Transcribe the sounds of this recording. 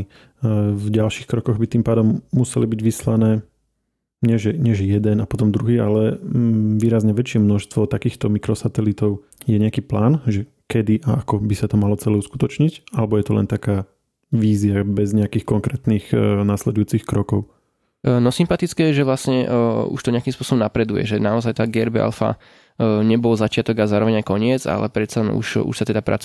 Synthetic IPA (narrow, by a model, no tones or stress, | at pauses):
vɟalʃixkɾɔkɔɣbit̪iːmpaːd̪ɔmːusɛlibiɟʋislanɛː | ɲɛʒɛɲɛʒɛjɛd̪ɛnapɔt̪ɔmd̪ɾuɦiːalɛ | ʋiːɾazɲɛʋɛt͡ʃɪɛmnɔʃst̪ʋɔt̪akiːxt̪ɔmikɾɔsat̪ɛlit̪ɔʊ | jɛɲɛakiːplaːnʒɛ | kɛd̪iʔaakɔbisat̪ɔmalɔt͡sɛlɛusku̥t̪ɔt͡ʃɲiɟalɛbɔjɛt̪ɔlɛ̰nt̪akaː | ʋiːziabɛzɲɛakiːxkɔŋkɾɛːt̪niːxnaslɛd̪ujuːt͡sixkɾɔkɔʊ | nɔsimpat̪it͡skɛjɛʒɛʋlasɲɛṵʃt̪ɔɲɛakimspʊɔsɔbɔmnapɾɛd̪ujɛ̰ʒɛnaɔzajt̪aːɡɛɾbɛa̰lfa̰ | ɲɛbɔlzat͡ʃɪat̪ɔɡazaːɾɔʋɛɲajkɔɲɪɛd͡za̰lɛ̰pɾɛt̪t͡salɛnṵʃṵʃsat̪ɛd̪apɾʔa̰t͡s